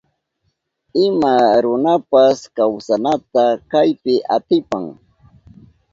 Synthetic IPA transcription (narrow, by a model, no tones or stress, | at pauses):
ɪmaɾʊnapaskawsanat̪akajpɪʔat̪ɪpaŋ